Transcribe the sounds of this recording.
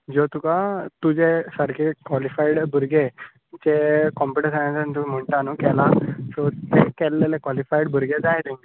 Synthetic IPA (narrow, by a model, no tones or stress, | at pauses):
d͡zot̪ukat̪ud͡ʑesəɽkʰekʋɔlifaiɽbʱəɾɡe | t͡ɕekɔmpiʈesanãt͡sant̪umim̤əɳʈanuːkɛlasot̪ekɛlːelekʋalifaiɽbʱəɾɡed͡zaɦet̪iŋɡ